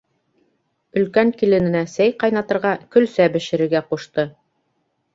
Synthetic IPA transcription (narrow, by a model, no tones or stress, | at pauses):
ɵ̆lkæŋkilɘ̆nɘ̆næsæjqɑjnɑt̪ɤ̆ɾʁɑkɵ̆lsæbɘ̆ʃɘ̆ɾɘ̆ɾɡæquʃt̪ɤ